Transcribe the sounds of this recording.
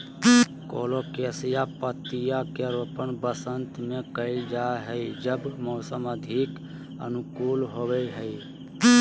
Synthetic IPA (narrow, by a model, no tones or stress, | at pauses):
ko̰ːlokesijapət̪ijakeɾopənbəsənt̪mekəɪld͡ʒaɦəid͡ʒəbmɔːsəməd̪ʱik | ə̰nukuːlɦobɛɦəɪ